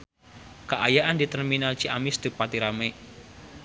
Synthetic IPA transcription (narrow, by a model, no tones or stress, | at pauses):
kəʔajaʔandit̪ərminalt͡ʃiamɪsd̪upat̪iɾamɛ